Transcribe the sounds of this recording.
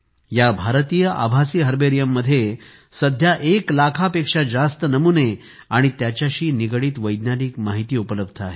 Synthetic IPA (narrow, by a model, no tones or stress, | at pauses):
jabʱaɾt̪ijəʔa̰bʱasiːɦəɾbeɾijəmːəd̪ʱːje | səd̪ʱjaʔeklakʰapekʂad͡zast̪ənəmune | aɽ̃it̪jat͡ɕjaɕiːniɡɽiːt̪ʋəjd̪njaniːkmaɦit̪iːupələb̚d̪ʰʱaɦe